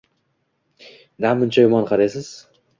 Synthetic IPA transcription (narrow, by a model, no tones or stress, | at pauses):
namʊnt͡ʃʰajʊmɒnqʰɑɾasɪz̥